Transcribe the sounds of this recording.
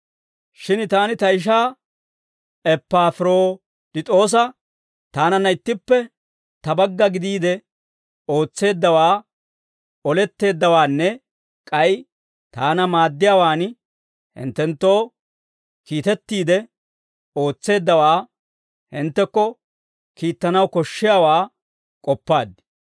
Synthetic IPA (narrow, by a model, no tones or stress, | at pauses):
ʃɪnt̪aːnɪt̪ɐɪʃ̬aː | ɛpːaːfɪɾo̞ː | t̪ɪt̪ʼo̞ːs̬ɐ | t̪aːnɐnːɐɪt̪ːɪpːɛ | t̪ɐbɐɡːɐɡɪd̪iːd̪ɛ | o̞ːt͡sːe̞ːd̪ːɐwaː | ɔlɛt̪ːe̞ːd̪ːɐwaːnːɛ | kʼɐj | t̪aːnɐmaːd̪ːɪjawaːn | hɪ̰nt̪ːɛnt̪ːo̞ː | kiːt̪ɛt̪ːiːd̪ɛ | o̞ːt͡sːe̞ːd̪ːɐwaː | hɪnt̪ːɛkːɔ | kiːt̪ːɐnɐwkɔʃːɪjaːwaː | kʼɔpːaːd̪ːɪ̥